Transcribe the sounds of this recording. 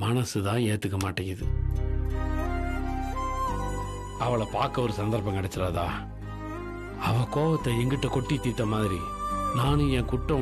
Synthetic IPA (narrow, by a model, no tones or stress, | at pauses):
mɐnɐsɯt̪ãːeːt̪ːɯkːɐmaːʈːɐɪðɯ | ɐʋɐɭɐpaːɾkɐɔɾɯsɐnd̪ɐɾpɐ̃ŋkɪɽɛt͡ʃːɪɾaːða̰ː | ɐʋɐ̃koːʋɐt̪ːɐɛŋɡɪʈːɐkɔʈːit̪ːiːt̪ːɐmaːðɪɾḭ | naːnɯ̃ɛ̃ːkʊʈːɐ̃